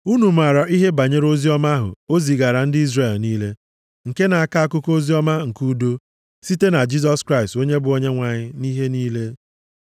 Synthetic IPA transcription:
u˦nu˨ma˨ɾɔ˨ʔi˦ɦe˦ba˨ɲe˦ɾo˦zi˦ɔ˦ma˦ɦʊ̰˨o˦zi˨ɡa˨ɾa˨n̩˦dɪ˦i˦zre˨lniː˦le˦ | ŋ̩˨ke˦na˨a˨ka˦a˦kʊ˦ko˦zi˦ɔ˦ma˦ŋ̩˨ku˦do˦ | si˦te˦na˨d͡ʒi˦s̬ɔ˦skɾa˦ɪ˨sto˦ɲe˦bʊ˨o˦ɲe˦ŋʷa˨ɲɪ˦ni˦ɦe˦niː˦le˦

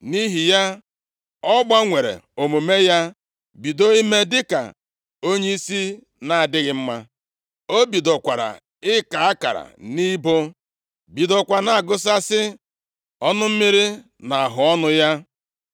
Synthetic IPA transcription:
ni˦ɦi˨ja˦ | ɔ˦ɡ͡ba˦ŋʷe˨ɾḛ˨o˨mu˨me˦ja˦ | bi˨do˦i˦me˦dɪ˦ka̰˨ | o˦ɲe˦i˦si˦ | na˨a˨dɪ˦ɣɪ˦m̩˦ma˦ | o˦bi˨do˨kʷa˨ɾa̰˨ | ɪ˦ka˨a˦ka̰˨ɾa̰˨ni˦bo˦ | bi˨do˨kʷa˨na˨a˨ɡʊ˦s̬a˦sɪ˦ | ɔ˦nʊ˦m̩˦mi˦ɾi˦ | na˨a˨ɦʊ˨ɔ˦nʊ˦ja˦

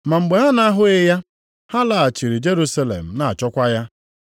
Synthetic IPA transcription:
ma˨ŋ͡m̩˨ɡ͡be˨ɦa˦na˦ɦʊ˦ɪ˦ja˦ | ha˦la˨a˨t͡ʃi˨ɾi˨d͡ʒe˦ɾu˦sa˦lḛ˨m̩˨na˨a˨t͡ʃɔ˦kʷa˦ja˦

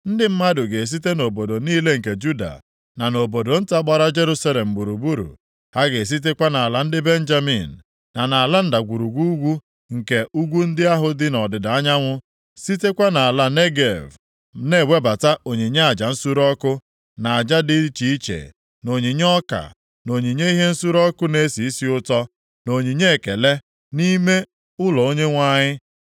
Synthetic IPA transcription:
n̩˦dɪ˦m̩˦ma˦dʊ˨ɡe˨s̬i˦te˦no˨bo˨do˨niː˦le˦ŋ̩˨ke˨d͡ʒu˦da̰˨ | na˨no˨bo˨do˨n̩˦ta˦ɡ͡ba˨ɾa˦d͡ʒe˦ɾu˦sa˦le˨m̩˨bu˨ɾu˨bu˦ɾṵ˨ | ha˦ɡe˨s̬i˦t̬e˦kʷa˦na˨a˨la˦n̩˦dɪ˦be˦n̩˦d͡ʒa˦mḭ˨n̩˨ | na˨na˨a˨la˦n̩˦da˨ɡʷu˨ɾu˨ɡʷu˦ɡʷu˦ | ŋ̩˨ke˨ʔu˦ɡʷu˦n̩˦dɪ˦a˦ɦʊ˦dɪ˦nɔ˨dɪ˨da˨a˦ɲa˦ŋʷʊ˦ | si˦te˦kʷa˦na˨a˨la˦ne˦ɡe˨v | ne˦˨we˦ba˨ta˦ʔo˨ɲi˨ɲe˦a˨d͡ʒa˨n̩˦su˦ɾɔ˦kʊ˦ | na˨a˨d͡ʒa˦di˦t͡ʃi˦i˦t͡ʃḛ˨ | no˨ɲi˨ɲ˦ɔ˦ka̰˨ | no˨ɲi˨ɲe˦i˦ɦe˦n̩˦su˦ɾɔ˦kʊ˦ne˦si˨i˦si˦ʊ˦tɔ˦ | no˨ɲi˨ɲe˦e˨ke˨le˦ | ni˦me˦ | ʊ˦lɔ˨o˦ɲe˦ŋʷa˦ɲɪ˦

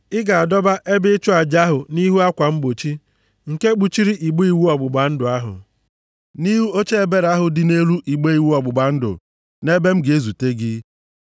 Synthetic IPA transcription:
ɪ˦ɡa˨a˨dɔ˦ba˦ʔe˦bɪ˦t͡ʃʊ˦a˨d͡ʒa˦ɦʊ˨ni˦ɦu˦a˦kʷa˨m̩˦ɡ͡bo˨t͡ʃi˦ | ŋ̩˨ke˦k͡pu˨t͡ʃi˦ɾi˦ʔi˨ɡ͡bu˦i˨wu˦ɔ˨ɡ͡bʊ˨ɡ͡ba˨n̩˦dʊ˨a˦ɦʊ̰˨ | ni˦ɦu˦o˦t͡ʃe˦e˨be˦ɾa˦ɦʊ˨dɪ˨ne˦ɾu˦ʔi˨ɡ͡be˦i˨wu˦ɔ˨ɡ͡bʊ˨ɡ͡ba˨n̩˦dʊ̰˨ | ne˦be˦m̩˦ɡe˦zu˨te˦ɡɪ˦

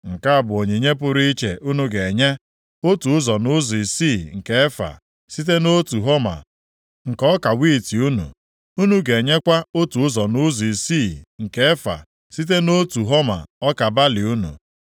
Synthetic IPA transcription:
ŋ̩˨ka˦a˨bʊ˨o˨ɲe˨ɲe˦p̬ʊ˦ɾi˦i˦t͡ʃḛ˨ʔu˦nu˦ɡe˨e˨ɲe˦ | o˦tu˨ʊ˦zɔ˨nʊ˦zi˨si˦˨ŋ̩˨ke˦e˦fa̰˨ | si˦t̬e˦no˦tu˨ɦo˦ma̰˨ | ŋ̩˨kɔ˦ka˨wi˦˨ti˨u˦nṵ˨ | u˦nu˦ɡe˨ɲe˦kʷa˦o˦tu˨ʊ˦zɔ˨nʊ˦zɔ˨i˨si˦˨ŋ̩˨ke˦e˦fa̰˨ | si˦t̬e˦no˦tu˨ɦo˦ma̰˨ɔ˦ka˨ba˦li˨u˦nṵ˨

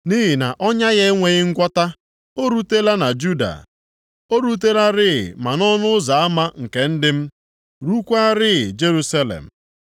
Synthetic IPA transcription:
ni˦ɦi˨na̰˨ʔɔ˦ɲa˦ɣe˦ŋʷe˨ɣɪ˦ŋ̩˦ɡʷɔ˦ta˦ | o˦ɾu˦te˦la˦na˨d͡ʒu˦da̰˨ | o˦ɾu˦t̬e˦la˦ɾɪ˦ɪ̰˨ma˨nɔ˦nʊ˦za˨a˦ma˦ŋ̩˨ke˨n̩˦dɪ˦m̩˦ | ɾu˦kʷa˦ɾɪ˦˨d͡ʒe˦ɾu˦sa˦lḛ˨m̩˨

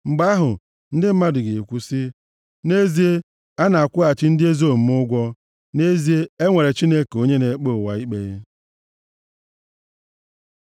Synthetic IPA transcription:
ŋ͡m̩˨ɡ͡ba˦a˦ɦʊ˨ | n̩˦dɪ˦m̩˦ma˦dʊ˨ɡe˨e˨kʷu˦sɪ˦ | ne˦zi˦e˦ | a˦na˨a˨kʷʊ˦a˨t͡ʃɪ˦n̩˦dɪ˦e˦zo˦˨m̩˦m˦ʊ˦ɡʷɔ˦ | ne˦zi˦e˦e˦ŋʷe˨ɾe˨t͡ʃi˦ne˦ke˨o˦ɲe˦ne˨˦k͡po˦˨wa˨i˦k͡pe˦

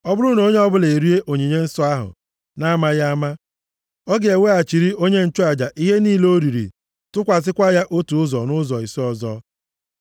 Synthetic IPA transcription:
ɔ˦bʊ˦ɾu˦no˦ɲe˦ɔ˦bʊ˦le˨ɾi˦e˦ʔo˨ɲi˨ɲe˦n̩˦sɔ˦a˦ɦʊ̰˨ | na˦ma˦ja˦a˦ma˦ | ɔ˦ɡe˨e˨we˦a˨t͡ʃi˨ɾi˦o˦ɲe˦n̩˦t͡ʃʊ˦a˨d͡ʒa˨ʔi˦ɦe˦niː˦lo˦ɾi˨ɾḭ˨ | tʊ˦kʷa˨s̬ɪ˦kʷa˦ja˦ʔo˦tu˨ʊ˦zɔ˨nʊ˦zɔ˨i˨sɔ˦ɔ˨zɔ˦

